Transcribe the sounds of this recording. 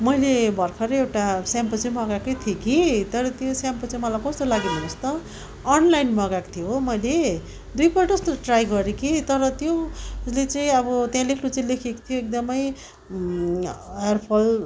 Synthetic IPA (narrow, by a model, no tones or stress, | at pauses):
mʌjlebʱʌrkʰʌɾʌewʈasjampʌt͡saimʌɡakʌjt̪ʰjekit̪ʌɾʌt̪jõsjampʌt͡saĩmʌlajkʌst̪olaɡibʱʌnʌst̪ʌː | nlajnmʌɡakt̪ʰjoɦmʌjle | d̪ujpʌʌst̪oʈrajɡʌɾekit̪ʌɾʌt̪joslet͡saĩʌbʌt̪jãlekʰɾut͡saĩlekʰeko̥t̪ʰijoek̚d̪ʌmʌj | jʌrpʰʌl